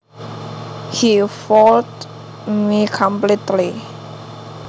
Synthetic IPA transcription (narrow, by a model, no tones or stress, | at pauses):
hifɔlt | mikʰɔ̃mplitli